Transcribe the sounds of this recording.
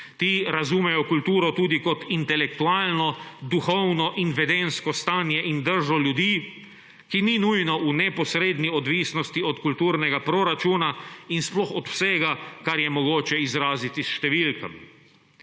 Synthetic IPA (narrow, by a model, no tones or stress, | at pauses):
t̪iɾazumɛjɔkult̪uːɾɔt̪uːd̪ikɔt̪int̪ɛlɛk̚t̪uaːlnɔd̪uxɔwnɔʔinʋɛd̪enskɔst̪aːnjɛʔind̪əɾʒɔljud̪iː | kininujnɔʔunɛpɔsɾeːd̪niɔd̪ʋiːsnɔst̪iɔt̪kult̪uːɾnɛɡapɾoɾat͡ʃunainsplɔxɔt̪w̥sɛːɡakaɾjɛmɔɡoːt͡ʃɛizɾaːzit̪isʃt̪ɛʋilkɐ̰m